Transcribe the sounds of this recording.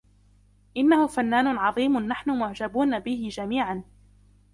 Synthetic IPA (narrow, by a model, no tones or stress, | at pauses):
ʔɪnːahʊfanːaːnʊʕɑðˤiːmʊːaħnʊmʊʕd͡ʒabuːnabɪhɪd͡ʒamiːʕan